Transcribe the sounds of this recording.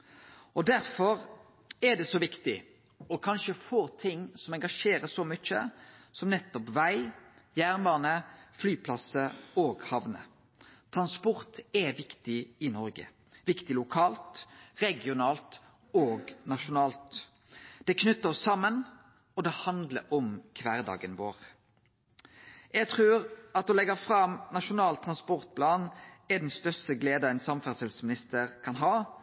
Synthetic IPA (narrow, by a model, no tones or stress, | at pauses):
ʔɔd̪æɾfɔɾ | ɛd̪ɛsɔʋɪkt̪ɪ | ɔkʰɑnʃəfoːt̪ʰɪŋːsɔmɛŋɡɑʂeːɾəsɔmʏt͡ʃːə̰sɔmnɛt̪ːɔpʋæɪjæːʁnbɑːnəflyːpʰlɑsəoːɡhɑʋnə̰ | t̪ʰʁɑnspɔʁt̪ɛʋɪkt̪ɪɪnɔɾɡə̰ | ʋɪkt̪ɪlʊkʰɑːlt̪ʁɛɡɪʊnɑːlt̪ | oːɡnɑʃʊnɑːlt̪ | d̪̥ɛkʰnʉt̪ːəɔsɑmːən | ɔd̪ɛhɑnd̪ləɾɔmkʰʋæːʁd̪ɑ̰ːɡənʋo̰ːʁ | jɛɡt̪ʰʁʉːʁɑt̪ɔlɛɡɑfʁɑmnɑʃʊnɑːlt̪ʰːʁɑnspɔʁt̪̚pʰlɑːnɛd̪ɛnst̪œɾst̪əɡleːd̪əɛnsɑmfæsɛlsmɪnɪst̪əʁkʰɑnɦɑː